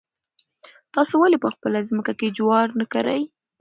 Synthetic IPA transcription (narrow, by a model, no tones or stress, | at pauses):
t̪ɑsowalepəxpəlazməkaked͡ʒwɑɾnəkaɾaj